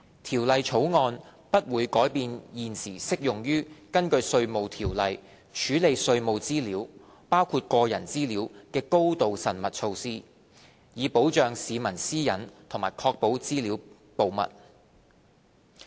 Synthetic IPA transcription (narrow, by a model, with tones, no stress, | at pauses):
t̪ʰiː˨˩wlɐ˨jt͡ʃʰo˨˥wŋɔː˧n | pɐ˥t̚wuː˨˧jkɔː˨˥jpiː˧njiː˨nsiː˨˩sɪ˥k̚jʊ˨˩ŋjyː˥kɐ˥nkɵ˧ɥsɵ˧ɥmo˨˧wt̪ʰiː˨˩wlɐ˨j | t͡ʃʰyː˨˥le˨˧jsɵ˧ɥmo˨˧wt͡siː˥liː˨˥w | paː˥wkʰuː˧t̚kɔː˧jɐ˨˩nt͡siː˥liː˨˥wkɛː˧ko˥wt̪o˨wsɐ˨˩nmɐ˨t̚t͡sʰo˧wsiː˥ | jiː˨˧po˨˥wt͡ʃœː˨˧ŋsiː˨˧mɐ˨˩nsiː˥jɐ˨˥nt̪ʰʊ˨˩ŋmaː˨˩jkʰɔː˧k̚po˨˥wt͡siː˥liː˨˥w | po˨wmɐ̰˨t̚